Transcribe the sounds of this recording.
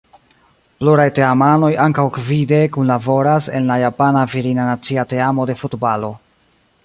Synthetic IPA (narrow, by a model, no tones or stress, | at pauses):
pluɾajte̞amano̞jaŋkawkvide̞kunlavo̞ɾase̞̰nlajapanaviɾinanat͡siate̞amo̞de̞futbalo̞